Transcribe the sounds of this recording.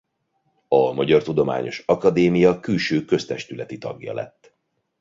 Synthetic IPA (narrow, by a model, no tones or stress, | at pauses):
ɒmɒɟɒrt̪ud̪o̞ma̰ːɲo̞ʃɒkɒd̪eːmijɒkylʃøːkø̞st̪ɛʃt̪ylɛt̪it̪ɒ̰ɡjɒ̰lɛ̰t̪ː